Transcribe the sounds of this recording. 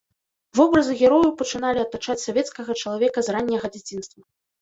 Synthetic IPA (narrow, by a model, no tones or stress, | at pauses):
vɔbɾɐzɨɣʲɛɾɔjupɐt͡ʂɨnalʲiɐt̪ːat͡ʂat͡sʲsavʲɛt̪skɐɣɐt͡ʂɐlˠavʲɛkɐzɾanʲːɐɣɐd͡zʲat͡sʲinst̪vɐ